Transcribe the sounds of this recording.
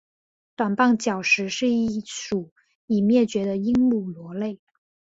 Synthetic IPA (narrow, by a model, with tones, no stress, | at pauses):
t̪wa˨˩npɑ˥˩ŋt͡ɕjɑ˨˩ʊʂɻ̩˧˥ʂɻ̩˥˧i˥˩ʂu˨˩˦ | i˨˩mjɛ˥˩t͡ɕɥɛ˧˥d̪ə˧i˥ŋmu˥˩lwɔ˧˥le˥˩ɪ